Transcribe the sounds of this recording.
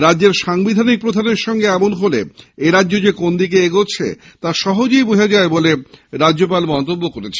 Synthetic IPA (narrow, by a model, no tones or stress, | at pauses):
ɾadːd͡ʑeɾʃaŋbid̪ʱanik̚pɾod̪ʱaneɾʃɔŋɡeɛmonɦolḛeɾadːʑod͡ʑekond̪ik̬eeɡot͡ɕʰḛ | t̪aʃɔɦod͡ʑojboɦed͡ʑaeboleɾadːd͡ʑop̬almɔnt̪obːokoɾet͡ɕʰe